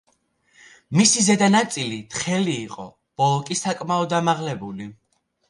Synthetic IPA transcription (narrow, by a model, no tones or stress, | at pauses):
misizɛd̪anat̪sʼilit̪ʰʼχɛliːqʼɔ̰ | b̥ɔlˠɔkʼisakʼmaɔd̪amaʁlɛbuli